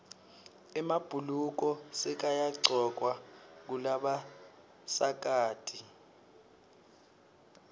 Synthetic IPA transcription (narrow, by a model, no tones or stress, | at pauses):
ɛmab̥ʱuluk̬ɔsɛk̬ajaǀɔk̬wak̬ulaɓa | sak̬aːtʰʼi